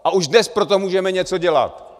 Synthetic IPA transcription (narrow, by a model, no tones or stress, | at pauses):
ʔaʔuʒdnɛspɾo̞t̪omuːʒɛmɛɲɛt͡so̞ɟɛla̰t̪